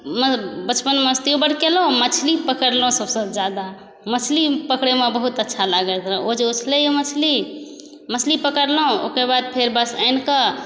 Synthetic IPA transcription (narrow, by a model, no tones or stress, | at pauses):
məbət͡ʃpənməst̪iobəɽ̤kelõmət͡ʃʰlipəkəɾlɦõsəbsəbd͡ʒjad̪a | mət͡ʃʰlipəkɽemebəɦut̪ətːʃʰalaɡət̪ɾəod͡ʒeot͡ʃʰlejomət͡ʃʰli | mət͡ʃʰlipəkəɾləɦõo̰kebad̪̚pʰeɾbəsəɪnkə